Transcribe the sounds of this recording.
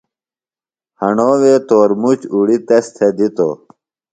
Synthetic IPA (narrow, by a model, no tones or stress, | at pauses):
hɐɳoːʋeːt̪oːɾmut͡ɕuɽit̪est̪ʰed̪it̪o̰